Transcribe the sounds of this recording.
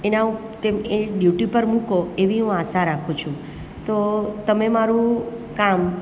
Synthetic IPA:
ena | t̪emeɖjuʈipəɾmũkoeʋiɦũasaɾakʰũt͡ʃʰũ | t̪ot̪əmemaɾũkam

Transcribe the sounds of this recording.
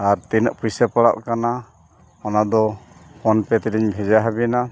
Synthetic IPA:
aɾt̪inəʔpujsɛpaɽa̰ʔkana | ɔnad̪ɔpɔnpɛt̪ɛɾiɲbʱɛd͡ʒaɦabina

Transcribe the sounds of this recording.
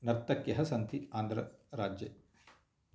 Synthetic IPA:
nɐɾt̪ɐkjɐɦɐsɐnt̪iaːnd̪ɾɐɾaːd͡ʒje

